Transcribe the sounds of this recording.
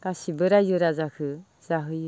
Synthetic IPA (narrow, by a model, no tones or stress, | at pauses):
kasibɯɾajɯɾazakʰɯ | z̥aɦɯj